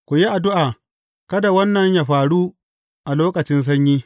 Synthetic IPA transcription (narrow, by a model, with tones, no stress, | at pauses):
kʷʊ˨ji˦ʔa˨dʊ˦ʔaː˨ | kɐ˦da˨wɐ˦nːɐ˨ɲjaː˨ɸaː˨ɽu˦ | ʔa˨loː˦kɐ˨t͡ʃɪ˦ns̬ɐ˦ɲjiː˦